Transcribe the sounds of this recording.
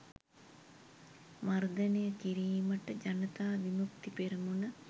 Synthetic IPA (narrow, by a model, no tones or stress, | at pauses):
mɐrd̪ɐnejəkiɾiːməʈəd͡ʒɐnət̪aːʋimuk̚t̪ipeɾimunə